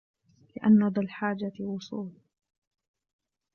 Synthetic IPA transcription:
lɪʔa̰nːad̪ˤɑlħaːd͡ʒawʊsˤuːl

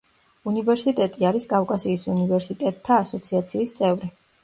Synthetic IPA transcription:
univɛɾsit̪ʼɛt̪ʼiaɾiskʼafkʼasiːsunivɛɾsit̪ʼɛt̪ʼʰːaːsɔt̪sʰiat̪sʰiːst̪sʼɛvɾi

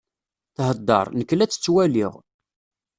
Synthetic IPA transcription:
θhəd̪ːɑ̰ɾˤnəkːlæt͡sːə̥t͡sːwæliʁ

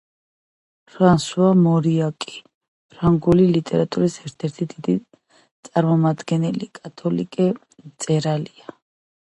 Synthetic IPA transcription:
fansuamɔɾiakʼi̥ | pʰɾaŋɡulilit̪ʼɛɾat̪ʼuɾisɛɾt̪ʰɛɾt̪ʰid̪id̪i | t̪sʼaɾmɔmad̪ɡɛnɛlikʼat̪ʰɔlḭkʼɛ | t̪sʼɛɾalia

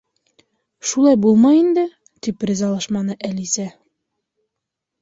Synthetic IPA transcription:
ʃulˠɑjbulˠmɑjind̪ɘ | t̪iprʲɪzɑlˠɑʃmɑnɤʔælisæ

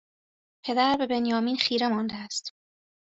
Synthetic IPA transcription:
pʰe̞d̪æɾbe̞be̞njɒːmiːnxiːɾe̞mɒnd̪eæst̪

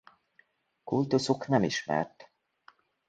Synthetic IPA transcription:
kult̪usuknɛmiʃmɛ̰rt̪

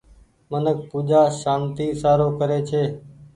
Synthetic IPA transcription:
mənək̚puːd͡ʒaːʃaːnt̪iːsaːɾoːkəɾeːt͡ʃʰeː

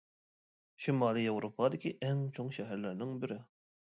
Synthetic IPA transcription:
ʃimɑːlˠijewɾopʰɑd̪ɪkʲiʔɛŋt͡ʃʰoŋʃɛɦæɾlɪɾnɪŋbɪɾɪ

